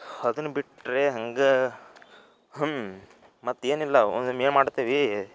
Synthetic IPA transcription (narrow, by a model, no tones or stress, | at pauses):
ɐd̪ɐnːubiʈɾeɦɐŋɡe | ɦ | mɐt̪ːe̞ːnilːɐo̰nd̪umeːnmaːɽt̪iːʋi